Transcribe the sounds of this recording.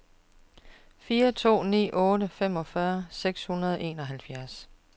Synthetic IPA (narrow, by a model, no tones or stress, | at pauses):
fiːɐt͡sʰo̝̰ːnḭːʔɔ̽ːɾəfem̰ɒ̽fɶɐseɡ̥shunɐðˠʔe̝ːnɒ̽ɦælfjæɐs